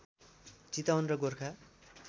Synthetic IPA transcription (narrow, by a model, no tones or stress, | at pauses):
t͡sit̪awnrʌɡorkʰa